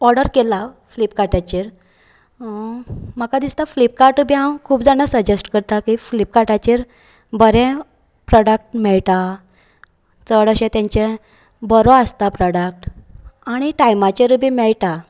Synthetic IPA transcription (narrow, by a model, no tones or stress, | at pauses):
ɔɾɽəɾkela | flip̚kaʈat͡ɕiɾ | məkad̪ist̪aflip̚kaɾʈubʱiɦãwkʰuːpd͡zañasəd͡ʑesʈkəɾt̪akiflipkaʈat͡ɕiɾ | bəɾɛ̃ | pɾɔɽək̚ʈmɛɭʈa | t͡səɽəɕẽt̪jãɲt͡ɕẽ | bɔɾoəst̪apɾɔɽək̚ʈaɽ̃iʈajmat͡ɕeɾubimɛɭʈa